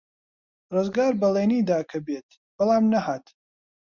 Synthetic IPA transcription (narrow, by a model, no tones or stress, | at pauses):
rɨzɡaːɾbɐleːniːd̪aːkʰɐbeːt̪ | b̥ɐlˠaːmnɐhaːt̪